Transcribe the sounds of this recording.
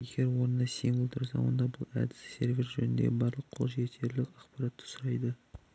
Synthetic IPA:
je̞ɡʲe̞ɾwo̞ɾənd̪ɑsiŋɡʲɪlˠt̪ʰʊɾsɑ̰wo̞̰nd̪ɑbʊlˠæ̰d̪ɪsːe̞ɾvʲeɾʒɵnɪnd̪ḛbɑɾlˠəqʰolˠʒet̪ʰe̞ɾlɪkʲɑχpɑɾɑt̪ːə̥sʊɾɑjd̪ə

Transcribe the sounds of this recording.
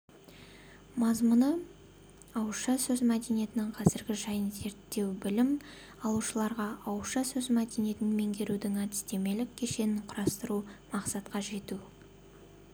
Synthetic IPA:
mɑzmʊnə | ɑwʃɑsɵzmæd̪e̞nije̞t̪ɪnɪŋqʰɑzɪɾɡʲɪʒɑjənze̞ɾt̪ːe̞wbɪlɪm | ɑlˠuʃəlˠɑɾʁɑʔɑwʃɑsɵzmæd̪e̞nije̞t̪ɪnme̞ŋɡʲe̞ɾud̪ɪŋæd̪ɪ̥st̪e̞me̞lɪkʲʰːe̞ʃe̞nɪɴqʰʊɾɑst̪əɾumɑqsɑt̪qɑʒe̞t̪u

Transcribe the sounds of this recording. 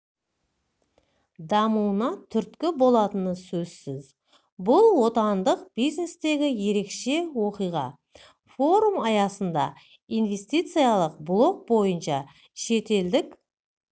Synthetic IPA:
d̪ɑmuwnɑt̪ʰʏɾt̪kʲɪbo̞lˠɑt̪ənəsɵzsɪz | bʊlˠwo̞t̪ɑnd̪əq̚bijzne̞st̪e̞ɡʲɪje̞ɾe̞kʃe̞wo̞qijʁɑ̰ | fo̞ɾumɑjɑsənd̪ɑ̰ | ijnve̞st̪ijt̪sɨjɑlˠəq̚blˠo̞k̚bo̞jənʃɑ | ʃe̞t̪e̞ld̪ɪk

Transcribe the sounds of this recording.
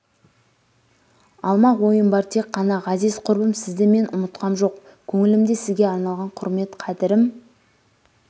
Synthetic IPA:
ɑlˠmɑwo̞jəmbɑɾt̪ʰe̞kqːɑnɑʁɑzɪzqʰʊɾbəmsɪzd̪eme̞nʔʊmət̪qɑmʒo̞q | kʲʰɵŋɪlɪmd̪e̞sɪzɡʲeɑɾnɑlˠʁɑɴqʰʊɾme̞t̪qʰɑd̪ɪɾɪm

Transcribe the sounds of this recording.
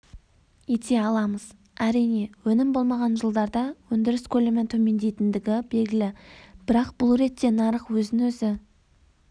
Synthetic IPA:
jet̪e̞ɑlˠɑməz̥ | æɾijne̞wɵnɪmbo̞lˠmɑʁɑnʒəlˠd̪ɑɾd̪ɑwɵnd̪ɪɾɪskʲʰɵlemɪnt̪ʰɵme̞nd̪e̞jt̪ɪnd̪ɪɡʲɪbe̞lɡʲɪlɪb̥ɪɾɑqbʊlˠɾe̞t̪ːe̞nɑɾəqwɵzɪnwɵzɪ

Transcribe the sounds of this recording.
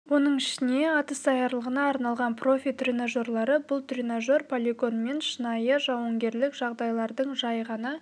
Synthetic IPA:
wo̞nəɴɪʃɪne̞ɑt̪əsɑjɑɾlˠəʁənɑːɾnɑlˠʁɑnpʰro̞fʲijt̪rʲinaʒo̞rlˠɑɾəbʊlˠt̪rʲinaʒo̞rpʰolʲiɡo̞nme̞nʃənɑjəʒɑwəŋɡʲe̞ɾlɪkʒ̥ɑʁd̪ɑjlˠɑɾd̪əɴʒɑjʁɑnɑ

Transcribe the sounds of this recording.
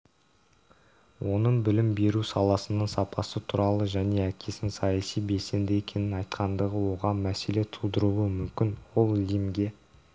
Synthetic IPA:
wʔo̞nəɴbɪlɪmbe̞ɾusɑlˠɑsənɑɴsɑpʰɑsət̪ʰuɾɑlˠəʒæne̞ækʲʰe̞sɪnsɑjɑsijbe̞lse̞nd̪ɪe̞kʲʰe̞nɪnɑjt̪qʰɑnd̪əʁəwo̞ʁɑmæse̞le̞t̪ʰud̪əɾuəmʏmkʲɪnwo̞lˠlimɡʲe̞

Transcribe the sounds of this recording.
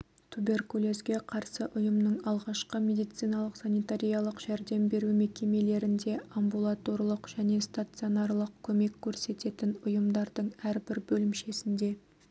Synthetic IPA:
t̪ʰube̞rkulʲˠe̞skʲe̞qʰɑɾsəʔʊjəmnəɴɑlˠʁɑʃqəmʲe̞d̪ijt̪sijnɑlˠəqsanijt̪aɾʲijalˠəqʒ̥æɾd̪e̞mbe̞ɾumekʲe̞me̞le̞ɾɪnd̪e̞ambulˠat̪o̞rlˠəqʒ̥æne̞st̪at̪sɨio̞nɑɾlˠəq̚kʲʰɵme̞kʲʰːɵɾse̞t̪e̞t̪ɪnʊjəmd̪ɑɾd̪əɴæɾbɪɾbɵlɪmʃe̞sɪnd̪e̞

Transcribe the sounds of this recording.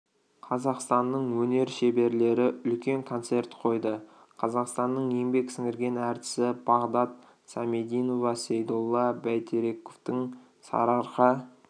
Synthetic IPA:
qʰɑzɑqst̪ɑnːəɴwɵne̞ɾʃebe̞ɾle̞ɾɪʏlkʲe̞ŋkʰo̞nt̪se̞rt̪qʰo̞jd̪ə | qʰɑzɑqst̪ɑnːəɴje̞ŋbe̞ksɪŋɪɾɡʲe̞næɾt̪ɪ̥sɪb̥ɑʁd̪ɑt̪ | sɑme̞d̪ijno̞vɑsejd̪olˠːɑbæjt̪ʰeɾe̞koft̪ɪŋ | sɑ̰ɾɑɾqɑ

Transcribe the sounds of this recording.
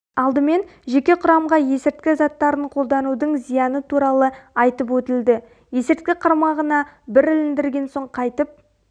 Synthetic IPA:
ɑlˠd̪əme̞nʒe̞kʲe̞qʰʊɾɑmʁɑje̞sɪɾt̪̚kʲɪzɑt̪ːɑɾəɴqʰo̞lˠd̪ɑnud̪əɴzijɑnət̪ʰuɾɑlˠəɑjt̪əp̬wɵt̪ɪld̪ɪ | je̞sɪɾt̪̚kʲɪqʰɑɾmɑʁənɑbɪɾɪlɪnd̪ɪɾɡʲe̞nso̞ɴqʰɑjt̪əp̚

